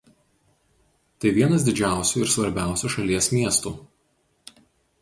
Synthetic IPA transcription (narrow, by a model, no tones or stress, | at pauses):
t̪ɐɪʋʲiɛnɐsd̪ʲɪd͡ʒʲæˑʊsʲuːɪɾsʋɐɾʲbʲæˑʊsʲuːʃɐlʲiɛsmʲiɛst̪uː